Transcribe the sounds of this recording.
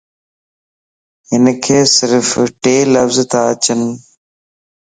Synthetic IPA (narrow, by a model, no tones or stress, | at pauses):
ɦɪnkʰeːsɪɾfʈeːləfzt̪aət͡ɕən